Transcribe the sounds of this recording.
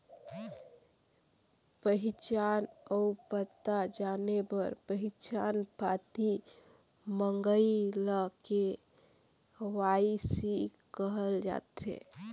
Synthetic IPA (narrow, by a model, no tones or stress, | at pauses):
pəɦit͡ʃanəupət̪ːad͡ʒanebəɾpəɦit͡ʃanpat̪i | məŋɡəiləke | waisi | kəɦəld͡ʒa̰t̪ḛ